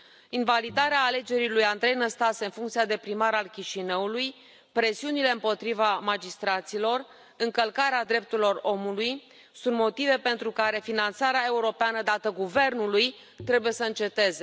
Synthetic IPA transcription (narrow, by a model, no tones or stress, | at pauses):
invalid̪aɾeaːle̞d͡ʒe̞ɾilujand̪ɾe̞jnəst̪aseɨnfuŋkt̪siad̪e̞pɾimaɾalkʲiʃinəuluj | pɾe̞siunile̞ɨmpo̞t̪ɾivamad͡ʒist̪ɾat̪silo̞r | ɨŋkəlkaɾead̪ɾe̞p̚t̪uɾilo̞ro̞muluj | sunt̪mo̞t̪ive̞pe̞nt̪ɾukaɾe̞finant̪saɾeae̞uɾo̞peanəd̪at̪əɡuve̞rnuluj | t̪ɾe̞buje̞səɨnt͡ʃe̞t̪e̞ze̞